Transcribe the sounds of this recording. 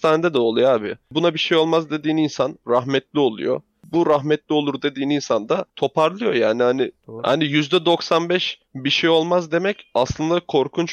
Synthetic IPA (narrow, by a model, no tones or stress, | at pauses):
t̪ʰaːned̪ɛd̪ɛolˠujaːbɪbunabiʃejo̞lˠmazd̪e̞d̪iːninsanɾaɦmɛt̪lʲio̞lˠṵjo̰ | buɾaɦmɛt̪lʲio̞lˠuɾd̪e̞d̪iːninsand̪at̪ʰo̞pʰaɾlˠɯjo̞jaːnihanɪha̰nijyzd̪ɛd̪o̞ksanbɛʃ | biʃejo̞lˠmazd̪e̞mɛcaslˠɯnd̪akʰo̞ɾkʰunt͡ʃ